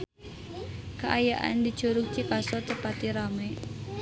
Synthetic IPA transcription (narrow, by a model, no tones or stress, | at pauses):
kəʔajaʔa̰ndi̥t͡ʃɔɾuk̚t͡ʃikasɔt̪əpat̪iɾamɛ